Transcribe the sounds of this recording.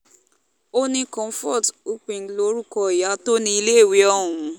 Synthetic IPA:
o˦nĩ˧kɔ̃˨˧˦fɔ˦˨tu˦k͡pẽ˧˨n̩˦lo˦ɾu˦˨kɔ˧i˨ja˨˦to˦nĩ˧i˧le˦˨we˨˦ɔ˧ɦũ˨

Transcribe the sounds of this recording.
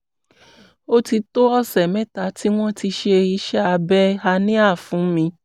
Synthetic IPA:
o˦ti˧to˦ɔ˦˨sɛ˨mɛ̃˦ta˨ti˦w̃ɔ̃˦ti˧ʃe˧i˦˧˦ʃɛ˦a˨˧bɛ˦a˧nĩ˦a˦˨fũ˨˦mĩ˧

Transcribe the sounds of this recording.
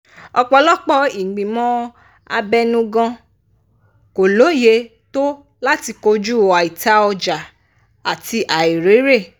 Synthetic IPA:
ɔ˧k͡pɔ˧lɔ˦k͡pɔ˧i˨ɡ͡bĩ˨mɔ̃˦ | a˧bɛ˦nũ˦ɡã˧ | ko˨lo˨˦je˧˦ | to˦ | la˦ti˧ko˧d͡ʒu˦˨a˨i˨ta˧ɔ˧d͡ʒa˨ | a˨ti˧ʔa˨i˨ɾe˨˦ɾe˦˨

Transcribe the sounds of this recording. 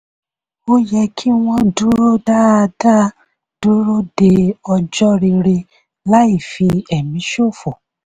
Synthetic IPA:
o˦jɛ˧kʰi˦w̃ɔ̃˦du˦ɾo˦da˦a˧da˦ | d̥u˦ɾo˦de˧ɔ˧d͡ʒɔ˦ɾi˧ɾe˧ | la˦i˦˨fi˧ɛ˨mĩ˨˦ʃo˦˨fo˨

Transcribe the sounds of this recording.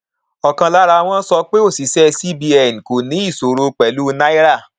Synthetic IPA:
ɔ˨kã˧la˦ɾa˧w̃ɔ̃˦sɔ˧k͡pe˦o˦˨si˨sɛ˦si˦bi˧ɛ˨n˨ko˨nĩ˨˦i˦˨so˨ɾo˧k͡pɛ˨lu˦na˦i˦ɾa˦˨

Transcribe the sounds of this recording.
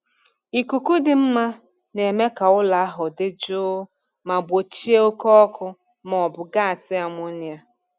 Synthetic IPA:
i˨ku˨ku˦dɪ˨m̩˦ma˦ | ne˨me˦ka˨ʊ˦la˨a˦ɦʊ˨dɪ˦d͡ʒʊː˦ | ma˨bo˨t͡ʃi˦e˦o˦kɔ˦ɔ˦kʊ˦ | mɔ˨bʊ˨ɡa˦a˨sɪ˦a˨mʊ˦nja˦

